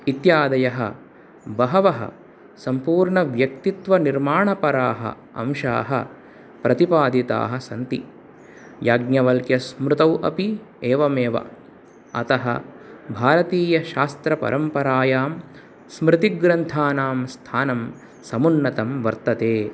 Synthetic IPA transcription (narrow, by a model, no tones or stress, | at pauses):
it̪jaːd̪ɐjɐɦɐ̰ | bɐɦɐʋɐɦɐ̰ | sɐmpuːɾɳɐʋjɐk̚t̪it̪ʋɐniɾmaːɳɐpɐɾaːɦɐ̰ | ɐ̰mʃa̰ːɦɐ̰ | pɾɐt̪ipaːd̪it̪a̰ːɦɐsɐnt̪i | jaːɡnjɐʋɐlkjɐsmɾut̪ɐwʔɐ̰pieːʋɐmeːʋɐ̰ | ɐt̪ɐɦɐ̰bʱaːɾɐt̪iːjɐʃaːst̪ɾɐpɐ̰ɾʔɐmpɐɾaːjaːm | smɾɪt̪iɡɾɐnt̪ʰaːnaːmst̪ʰaːnɐm | sɐmunːɐt̪ɐmʋɐɾt̪ɐt̪eː